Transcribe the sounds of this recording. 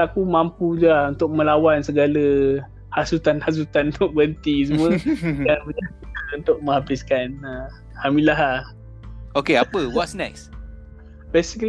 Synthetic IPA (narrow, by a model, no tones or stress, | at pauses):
akumampud͡ʒlahunt̪ʊk̚mə̃lawansəɡalə | hasut̪anhas̬ut̪anunt̪ʊʔ̚bənt̪is̬umuədanbəɲaiunt̪ʊk̚mə̃ŋɦabiskanə | hamilaɦa | okeapəwɔtsnas | besikəl